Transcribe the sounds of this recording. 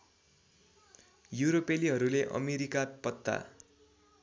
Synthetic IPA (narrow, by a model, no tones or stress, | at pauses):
juɾopeliɦʌɾuleʔʌ̰meɾikapʌt̪ːa̰